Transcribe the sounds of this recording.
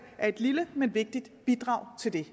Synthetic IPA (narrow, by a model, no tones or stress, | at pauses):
ʔæɐe̝d̥liləmenʋe̝ɡ̥̚d̥id̥b̥id̥ʁɑ̈ʊ̰t͡sʰe̝ld̥e̝